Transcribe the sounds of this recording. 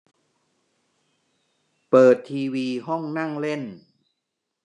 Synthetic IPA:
pɤː˨˩t̪ʰːiː˧wiː˧ɦɔ˥˩ŋna˥˩ŋle˥˩n

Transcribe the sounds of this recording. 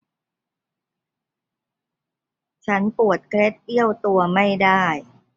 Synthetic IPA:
t͡ɕʰa˦˥npu˨˩ət̪̚kʰɾe˦˥t̪̚ʔi˥˩əwt̪u˧ɐma˥˩jdaː˥˩j

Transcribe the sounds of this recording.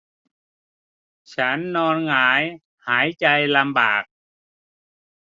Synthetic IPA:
t͡ɕʰa˦˥nːɔː˧nŋaː˩˦j | haː˩˦jt͡ɕa˧jla˧mbaː˨˩k̚

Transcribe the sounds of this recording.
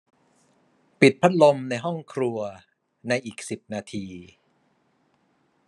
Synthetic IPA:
pi˨˩t̪̚pʰa˦˥t̪̚lo˧mna˧jɦɔ˥˩ŋkʰɾu˧ɐ | na˧jʔiː˨˩k̚si˨˩p̚naː˧t̪ʰiː˧

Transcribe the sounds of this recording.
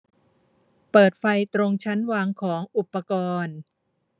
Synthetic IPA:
pɤː˨˩t̪̚fa˧jt̪ɾo˧ŋt͡ɕʰa˦˥nwaː˧ŋkʰɔː˩˦ŋʔu˨˩pːa˧kɔː˧n

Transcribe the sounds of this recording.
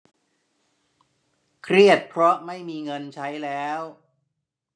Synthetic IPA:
kʰɾi˥˩ət̪̚pʰɾɔ˦˥ma˥˩jmiː˧ŋɤ˧nt͡ɕʰa˦˥jlɛː˦˥w

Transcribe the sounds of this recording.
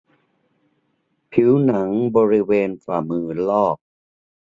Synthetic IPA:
pʰi˩˦wna˩˦ŋbɔː˧ɾi˦˥weː˧nfa̰ː˨˩mɯː˧lɔː˥˩k̚

